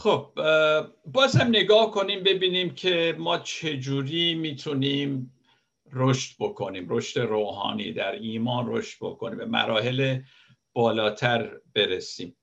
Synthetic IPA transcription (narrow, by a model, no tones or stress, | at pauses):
χob̥̚ | bːɒːzhæmne̞ɡɒːhko̞niːmbe̞biːniːmcʰemɒːt͡ʃʰe̞d͡ʒuːɾiːmiːt̪ʰuniːm | roʃt̪bo̞kʰo̞niːmɾo̞ʃt̪e̞ɾoːɦɒ̰ːnḭːd̪æɾiːmɒːnro̞̰ʃt̪̚bo̞̰kʰo̞niːmbemæ̰ɾɒːɦe̞le | b̥ɒːlɒːt̪ʰæɾb̥e̞ɾesiːm